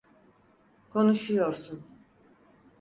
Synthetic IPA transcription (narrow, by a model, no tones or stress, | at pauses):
kʰɔnuʃijɔɾsun